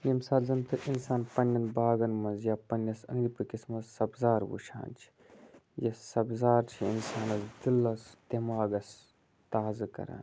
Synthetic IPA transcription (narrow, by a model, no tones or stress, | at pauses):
nimsaːzɐmt̪ɨʔinsaːnpɐnʲːɐnbaːɡɐnmɐnzjaːpɐnːɐsɐ̰ŋɾipɨkismɐzsɐbzaːɾwṵʃʰa̰ːnt͡ʃʰi̥ | jɐsɐbzaːɾt͡ʃʰiḭnsaːnɐzd̪ilːɐst̪imaːɡɐs | t̪aːzɨkɐ̰ɾa̰ːn